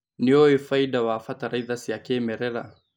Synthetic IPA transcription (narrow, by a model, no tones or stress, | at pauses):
niɔɛfaidawaːfataɾaiðasiakɛmɛɾɛɾa̰